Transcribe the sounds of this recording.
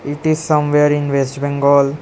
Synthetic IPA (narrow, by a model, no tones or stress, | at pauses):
ɪʈizsʌ̃mʋeɾɪ̃nʋesʈbɛ̃ŋɡɔːl